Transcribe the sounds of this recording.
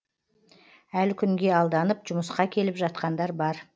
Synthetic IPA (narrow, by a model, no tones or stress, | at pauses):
ælkʲʰʏŋɡʲe̞ɑlˠd̪ɑnəpʒʊməsqɑkʲʰe̞lɪpʒɑt̪qɑnd̪ɑɾbɑɾ